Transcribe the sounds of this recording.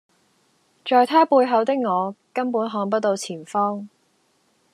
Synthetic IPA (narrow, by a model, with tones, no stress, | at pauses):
t͡ʃɔː˨jt̪ʰaː˥puː˧jɦɐ˨˧wt̪ɪ˥k̚ŋɔː˨˧kɐ˥npuː˨˥nɦɔː˨˥ŋp̬ɐ˥t̚t̪o˧wt͡sʰiː˨˩nfɔː˥ŋ